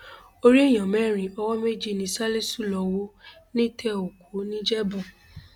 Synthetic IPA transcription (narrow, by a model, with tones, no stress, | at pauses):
o˧ɾi˦e˦˨j̃ã˨mɛ̃˦˨ɾ̃ĩ˨ɔ˧wɔ˦me˦d͡ʒi˦˨nĩ˨˧˦sa˦le˦su˦˨lɔ˨wo˦nĩ˦tʰɛ˦o˨ko˨˦nĩ˦d͡ʒɛ˦bũ˦˨